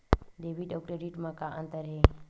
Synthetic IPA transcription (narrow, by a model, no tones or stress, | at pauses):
ɖeʋiɖokɾeɖiʈmãkaʔənt̪əɾɦe